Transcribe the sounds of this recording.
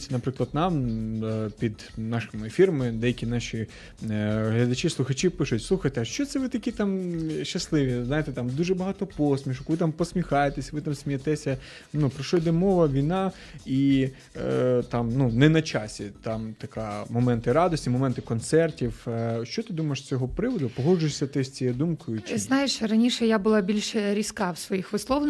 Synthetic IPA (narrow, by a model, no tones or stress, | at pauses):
tʲnɐpɾɪklˠɐd̪nɑm | pʲid̪ | nɑʃɪmʊefʲiɾɔmɪd̪ɛjɐkʲinɑʃʲi | ɦlʲɐd̪ɐt͡ʃʲislˠʊxɐt͡ʃipɪʃʊtʲsˠuxɐt̪ɛɐʃt͡ʃɔt̪sɛʋɪt̪ɐkʲit̪ɑmʃt͡ʃːɐslˠɪʋʲiznɑjet̪ɛt̪ɑmd̪uʒɛbɐɦɑt̪ɔpɔsʲmʲiʃʊkʋɪt̪ampɔsʲmʲixɑjet̪esʲɐʋɪt̪ɑmsʲmʲijɐt̪ɛsʲɐ | nupɾɔʃɔjd̪ɛmɔʋɐʋʲijnɑ | i | t̪ɑmnunɛnɐt͡ʃɑsʲit̪ɑmt̪ɐkɑ̰mɔmɛnt̪ɪɾɑd̪ɔsʲtʲimɔmɛnt̪ɪkɔnt̪sɛrtʲiwʃt͡ʃɔt̪ɪd̪umɐjeʃst͡sʲɔɦɔpɾɪʋɔd̪ʊpɔɦɔd͡ʒʊjɪʃʲsʲɐt̪ɪsʲt͡sʲijɛd̪umkʊjʊt͡ʃɪznɑjeʃɾɐnʲiʃɛjabʊlˠɑbʲilʲʃɛɾʲiskɑwsʋɔjixʋɪslˠɔwn